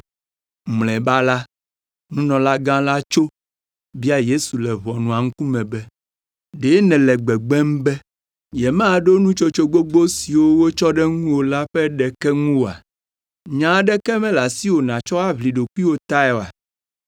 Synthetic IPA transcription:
mlɛ̃˨ba˦la˦ | nũ˦nɔ̃˨la˦ɡã˦la˦t͡ʃo˦ | bi˦a˦je˦su˨lɛ˨βɔ˨nũ˨a˨ŋũ˦ku˦mɛ̃˨bɛ˦ | ɖe˨˦nɛ̃˨lɛ˨ɡ͡bɛ˨ɡ͡bɛ˦m˦bɛ˦ | jɛ˨mã˦˨ɖo˦nũ˦t͡ʃo˦t͡ʃo˦ɡ͡bo˦ɡ͡bo˦si˨wo˦wo˦t͡ʃɔ˦ɖɛ˦ŋũ˦wo˨la˦ɸɛ˦ɖɛ˨kɛ˦ŋũ˦o˨a̰˨ | ɲã˨˦ɖɛ˦kɛ˦mɛ̃˦la˨si˦wo˨nã˨t͡ʃɔ˦a˦βli˨ɖo˨ki˦wo˦t̪a˦ɛ˨a˨

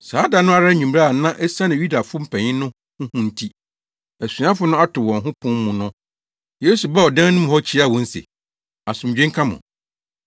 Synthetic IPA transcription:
saː˨˦da˨nʊ̃˦a˦˨ɾa˦ɲᶣ˨ũ˨m˦ɾa˦a˨˦nã˦ʔɛ˦sa˦nɪ̃˨ju˦da˨fʊ˦m̩˦pʰɛ̃˨ɲɪ̃˦nʊ̃˦ | hʊ̃˦hʊ̃˦n̩˦tʰi˦ | æ˨sɥã˦fʊ˦nʊ̃˦a˦tʰʊ˨wɔ̃˨nɦʊ̃˦pʰʊ̃˦m˦mũ˨nʊ̃˦ | je˦su˨ba˦ɔ˨dã˦nʊ̃˦m̃˨hɔ˦t͡ɕʰi˦a˦˨wɔ̃˦n̩˦sḛ˨ | a˨sʊ̃˨m˨d͡ʑᶣẽ˦ŋ˦kʰã˦mʊ̰̃˨

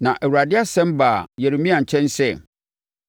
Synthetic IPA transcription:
nã˨ʔɛ˨wu˨ɾa˨dɪ˦a˦sɛ̃˦mba˨jɛ˨ɾe˨mĩ˦a˨ɲ̩˨t͡ɕʰɛ̃˦n˦sɛ˦˨

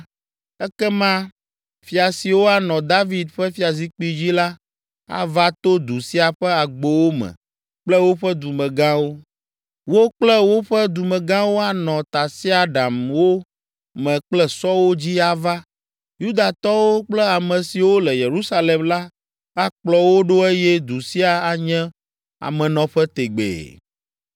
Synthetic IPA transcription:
ɛ˦kɛ˦mã˦ | fi˦a˨si˨wo˦a˨nɔ̃˨d̪a˦vi˨d̪ɸɛ˦fi˦a˨zi˦k͡pi˦d͡ʑi˦la˦ | a̰˦va˦t̪o˦d̪u˨si˦a˨ɸɛ˦a˨ɡ͡bo˨wo˦mɛ̰̃˨ | k͡plɛ˦wo˦ɸɛ˦d̪u˨mɛ̃˨ɡã˦wo˦ | wo˦k͡plɛ˦wo˦ɸɛ˦d̪u˨mɛ̃˨ɡã˦wo˦a˨nɔ̃˨t̪a˨si˦a˦ɖa˨mwo˦ | mɛ̃˨k͡plɛ˦sɔ˦wo˦d͡ʑi˦a˦va˦ | ju˦d̪a˨t̪ɔ˦wo˦k͡plɛ˦a˨mɛ̃˨si˨wo˦lɛ˨je˨ɾu˦sa˦le˨mla˦ | a˦k͡plɔ˨wo˦ɖo˦e˦jɛ˦d̪u˨si˦a˨a˨ɲɛ̃˦ | a̰˨mɛ̃˨nɔ̃˨ɸɛ˦t̪e˨ɡ͡bḛ˨

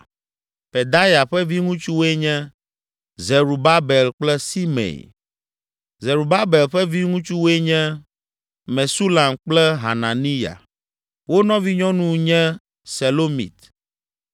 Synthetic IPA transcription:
pe˨d̪a˦ja˨ɸɛ˦vi˦ŋũ˦t͡ʃu˦wo˦e˦ɲɛ̃˦ | ze˨ɾu˨ba˦bɛ˨lk͡plɛ˦si˦mḛ̃˨j | ze˨ɾu˨ba˦be˨lɸɛ˦vi˦ŋũ˦t͡ʃu˦wo˦e˦ɲɛ̃˦ | mɛ̃˨su˦la˨mk͡plɛ˦ɦa˨na˨nĩ˦ja̰˨ | wo˦nɔ̃˦vi˦ɲɔ̃˦nũ˦ɲɛ̃˦ | se˨lo˦mḭ˨t̪

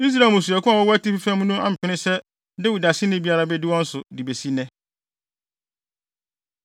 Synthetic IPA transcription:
i˦s̬ɾa˨mo˨su˨a˨kʰʊ̃˦a˨wɔ˦wɔ˦æ˦ti˦pi˦fæ̃˦m̃˦nũ˦a˦˨m̩˨pʰᶣɪ˨˦nɪ̃˦sɛ˦ | dɪ˦wu˨da˨sɪ˦nɪ̃˦bi˦a˦ɾa˦bɛ˦dɪ˦wɔ̃˦n̩˦sʊ˨di˨be˨si˦nɛ̃˦

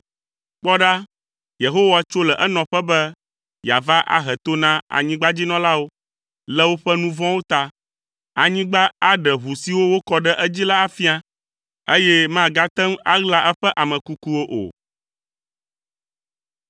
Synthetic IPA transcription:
k͡pɔ˦ɖa˦ | je˨ɦo˦wa˨t͡ʃo˦lɛ˨ʔɛ˦nɔ̃˨ɸɛ˦bɛ˦ | ja̰˨va˦ʔa̰˦ɦɛ˨t̪o˦nã˦a̰˨ɲĩ˦ɡ͡ba˦d͡ʑi˦nɔ̃˦la˦wo˦ | lɛ˦wo˦ɸɛ˦nũ˦vɔ̃˦wo˦t̪a˦ | a˨ɲĩ˦ɡ͡ba˦a˦ɖɛ˨ɦu˨si˨wo˦wo˦kɔ˦ɖɛ˦ʔɛ˦d͡ʑi˦la˦a˦fi˦a˦ | e˦jɛ˦mã˨ɡa˦t̪ɛ˦m˦a˦ɣla˦ʔɛ˦ɸɛ˦ʔa˨mɛ̃˨ku˦ku˦wo˦ʔo̰˨

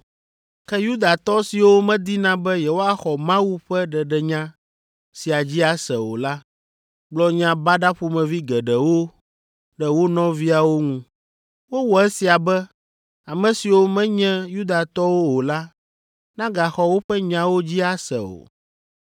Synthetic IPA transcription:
kɛ˦ju˦d̪a˨t̪ɔ˦si˨wo˦mɛ̃˦d̪i˦nã˦bɛ˦jɛ˨wo˦a˦xɔ˨mã˦wu˦ɸɛ˦ɖɛ˨ɖɛ˨ɲã˦ | si˨a˨d͡ʑi˦a˨sɛ̰˨wo̰˨la˦ | ɡ͡blɔ˦ɲã˦ba˦ɖa˦ɸu˦mɛ̃˨vi˦ɡɛ˨ɖɛ˨wo˦ | ɖɛ˨wo˦nɔ̃˦vi˦a˨wo˦ŋũ˦ | wo˦wɔ˨ɛ˦si˨a˨bɛ˦ | a˨mɛ̃˨si˨wo˦mɛ̃˦ɲɛ̃˦ju˦d̪a˨t̪ɔ˦wo˦wo˨la˦ | nã˦ɡa˨xɔ˨wo˦ɸɛ˦ɲã˦wo˦d͡ʑi˦a˨sɛ̰˨o̰˨

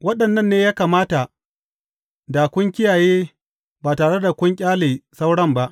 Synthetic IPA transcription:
wɐ˦ɗɐ˨nːɐ˦˨nːeː˦jaː˦kaː˨maː˦ta˨ | da˨kʷʊ˦ŋkʲɪ˦jaː˨jeː˦ | baː˨taː˨ɽe˦da˨kʷʊ˦ŋkʲʼaː˦leː˨sa˦wɽɐ˦mba˦ʔ

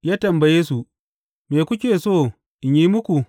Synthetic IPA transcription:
jaː˦tɐ˨mbɐ˨jeː˦su˨ | meː˨kʷʊ˦kʲeː˨soː˦˨ | ʔɪ˨ɲjiː˦mʊ˦kʷu˨

